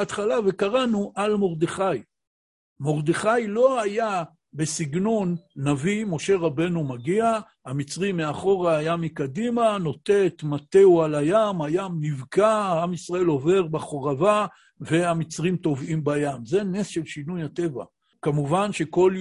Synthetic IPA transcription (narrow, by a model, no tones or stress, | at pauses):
at̪χalave̞kaʁanuʔalmo̞ʁd̪eχaj | mo̞ʁd̪eχajlo̞aja | be̞siɡnonːavimo̞ʃe̞ʁabe̞numaɡia | hamit͡sʁimeaχo̞ʁaːjamikad̪imano̞t̪e̞t̪mat̪e̞ualajamajamnivkaaamisʁae̞lo̞ve̞ʁbaχoʁava | ve̞amit͡sʁimt̪o̞vʔimbajamzenesʃe̞lʃinujhat̪e̞va̰ | kamuvanʃe̞ko̞l